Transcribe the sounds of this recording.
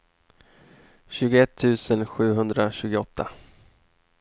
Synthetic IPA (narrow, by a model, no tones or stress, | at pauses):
ɕʉ̟ːɡʊɛt̪ʰːʉ̟ːsənɧʉ̟ːɦɵnd̪ɾaɕʉ̟ːɡʊɔt̪ʰːa̰